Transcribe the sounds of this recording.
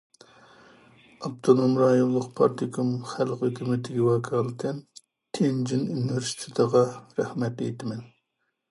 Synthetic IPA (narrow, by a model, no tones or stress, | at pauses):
ɑp̚t̪ʰonomɾɑjonlˠəqpʰɑ̰ɾt̪ʰikʰumχælqet̪ʰɪmɪt̪ʰɪɡʲiwɑkʰɑːlˠɨt̪ʰɛn | t̪ʰend͡ʒinunwɪɾsi̥t̪ʰɪt̪ʰəʁɑɾɛhmɛt̪ḛjt̪ʰɪmɛn